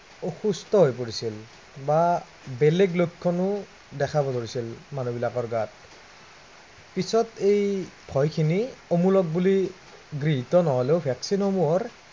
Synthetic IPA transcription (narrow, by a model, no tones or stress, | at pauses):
oxustɔɦojpoɹisil | ba | bɛlɛɡlokʰːɔnʊ | dɛkʰabɔdoɹisilmanobilakɔɹɡat̚ | pisɔtejb̥ʱɔjkʰiniomulɔk̚buli | ɡɹiɦitɔnɔɦɔleʊbʱɛksinxomuɔɹ